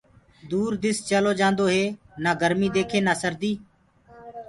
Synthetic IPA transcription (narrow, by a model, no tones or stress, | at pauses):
d̪uːɾd̪ɪst͡ʃəloːd͡ʒãːnd̪oːɦeː | naːɡəɾmiːd̪eːkʰeːnaːsəɾd̪iː